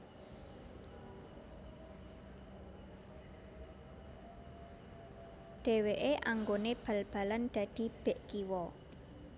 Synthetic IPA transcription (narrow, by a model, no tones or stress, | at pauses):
ɖ̥e̤weʔeʔaŋɡoneb̥a̤lb̥a̤land̪̥ä̤d̪̥i̤b̥e̤ʔɡ̥iwɔ